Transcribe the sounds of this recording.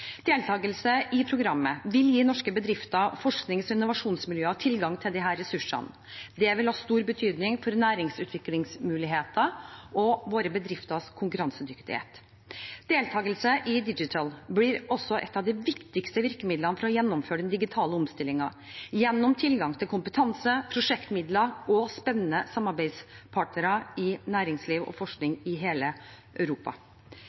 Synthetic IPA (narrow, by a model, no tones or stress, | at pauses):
d̪̥eːlt̪ʰɑːɡəlsəʔɪpʰɾʊɡɾɑmːəʋɪljiːnɔʂkəbəd̪ɾɪft̪əfɔʂknɪŋsɔɪnʊʋɑʂuːnsmɪljøːət̪ʰɪlɡɑŋt̪ʰɪld̪ɪɦæːɾɛsʉʂːɑ̰n | d̪ɛʋɪlhɑːst̪uːɾbət̪ʰyːd̪nɪŋfɔɾnæːɾɪŋsʉːt̪ʰʋɪklɪŋsmʉːlɪɦeːt̪əʔɔʋoːɾəbəd̪ɾɪft̪əskʰʊŋkʉɾɑnsəd̪ʏkt̪ɪ̰hḛːt̪ | d̪̥eːlt̪ʰɑːɡəlsəʔɪd̪ɪd͡ʒɪt̪ʰəlblɪɾɔsːɔʔɛ̰t̪ːɑʋd̪ɪʋɪkt̪ɪkst̪əʋɪɾkəmɪd̪lənəfɔɾɔjɛnːɔmføːɖɛnd̪ɪɡɪt̪ʰɑːləɔmst̪ɪlːɪŋɑ | jɛnːɔmt̪ʰɪlɡɑŋt̪ʰɪlkʊmpət̪ʰɑnsəpʰɾʊʂɛkt̪mɪd̪ləɔspɛnːənəsɑmɑɾbæɪd̪spʰɑːʈnəɾɑɪnæːɾɪŋsliːʋɔ̰fɔʂknɪŋɪɦeːlə | ʔœʉɾuːpɑ̰